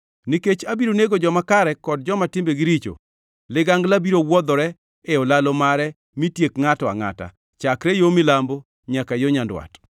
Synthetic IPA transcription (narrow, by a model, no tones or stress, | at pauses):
niket͡ʃabiɾoneɡod͡ʒɔmakaɾɛkɔd̚d͡ʒɔmatɪmbeɡɪɾit͡ʃo̰ | lɪɡaŋɡlabiɾowɔd̪ɔɾɛ | eɔlalɔmaɾɛ | mitjekŋatɔa̰ŋa̰ta̰ | t͡ʃakɾɛjomɪlambo | ɲakajoɲandwa̰t